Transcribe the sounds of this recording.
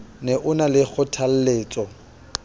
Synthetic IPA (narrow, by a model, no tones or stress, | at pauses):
nɛʔʊnalɪk͡xʰʊtʰal̩leːt͡sʼɔ